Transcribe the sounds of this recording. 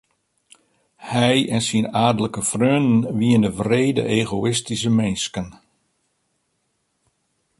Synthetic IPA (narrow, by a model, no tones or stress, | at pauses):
hɛjɛnsinaːrdələkəfrøːnənʋiəndəvreːdə̰ʔeːɣoɪstisəmenskən